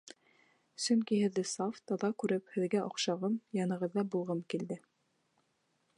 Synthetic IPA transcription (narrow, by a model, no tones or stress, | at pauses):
sɵŋkihɘ̆ðːɘsɑft̪ɑðɑkʉɾɘphɘ̆ðɡæʔŏqʃɑʁɤmjɑnɤ̆ʁɤ̆ðːɑbulˠʁɤmkild̪ɘ